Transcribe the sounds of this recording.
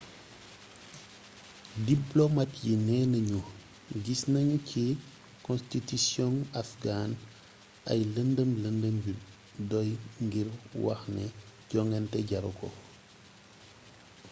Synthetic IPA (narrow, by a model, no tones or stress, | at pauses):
diplomatjinɛnɐɲu | ɡisnɐɲcʰi | kɔ̃nstitisjɔ̃ŋafɡan | ɐ̰jləndəmləndəmbi | dɔjŋɡiɾwɐ̰xnɛ̰ | ɟ̥ɔŋɡɛntɛɟaɾukɔ̰